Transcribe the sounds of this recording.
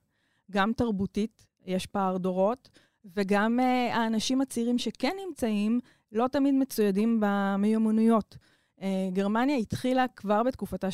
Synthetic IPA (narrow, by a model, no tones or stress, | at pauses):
ɡamtaʁbutit | jɛʃpaːʁdo̞ʁo̞t | veɡamaːnaʃimat͡siʁimʃekɛnːimt͡saim | lo̞tamidme̞t͡sujadimbamejomanujo̞t | eɡeʁmanjaitχilakvaʁbetkufata